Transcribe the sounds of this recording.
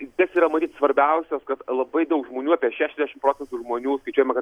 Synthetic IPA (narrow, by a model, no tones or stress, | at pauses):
t̪ɐsiːɾɐmɐt̪ʲiːt̪sʋɐɾʲbʲɛʊsʲoːskɐt̪lˠɐbɐɪd̪ɐʊkʒmoːnʲuːɑːpʲiɛʃʲæːʃʲɛzʲd̪ʲæʃɪmpɾoːt͡sʲɛnt̪uʒmoːnʲuːskɐɪt͡ʃuɔjɛmɐkɐt̪